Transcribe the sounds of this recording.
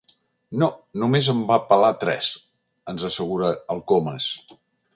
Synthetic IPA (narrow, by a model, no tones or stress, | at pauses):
nonumezəmbapəlat̪ɾɛ̰s | ənzəsəɣuɾəəlˠkoməs